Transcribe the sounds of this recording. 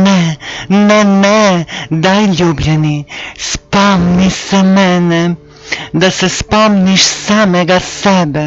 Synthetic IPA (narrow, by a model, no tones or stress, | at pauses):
nɛnɛnɛd̪ajlubjɛnispɔmnisɛmɛnɛ | d̪asɛspɔmniʃsamɛɡasɛbɛ